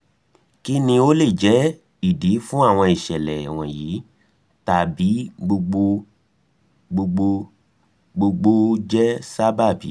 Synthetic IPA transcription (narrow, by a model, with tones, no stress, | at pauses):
ki˦nĩ˧o˦le˦˨d͡ʒɛ˨˦ | i˦˨di˨˦fũ˦a˦˨w̃ɔ̃˧i˨ʃɛ˨lɛ˨w̃ɔ̃˨ji˨˦ | ta˨bi˨˦ɡ͡bo˧ɡ͡bo˧ | ɡ͡bo˧ɡ͡bo˧ | ɡ͡bo˧ɡ͡bo˧d͡ʒɛ˦sa˦ba˦˨bi˨˦